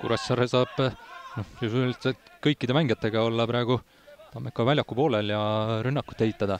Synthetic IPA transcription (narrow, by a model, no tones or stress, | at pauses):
kṵɾɑssɑɾesɑːb̥nohjusulit̪sɑt̪kɤjkːid̪emæŋɡet̪ːˑe̞ɡ̥ɑo̞lːɑpɾɑeɡ̥u | t̪ɑmekːˑɑvælʲjɑkːˑupo̞ːleljɑɾynːɑkːˑu̥t̪ːeɦit̪ːˑɑd̪ɑ